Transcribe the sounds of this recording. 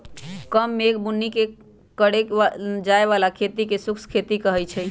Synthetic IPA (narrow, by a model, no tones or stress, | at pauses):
kəmːeːkbunːike | kəɽead͡ʒaeβalakʰet̪ikesukskʰet̪ikəɦɛjt͡ʃʰɛ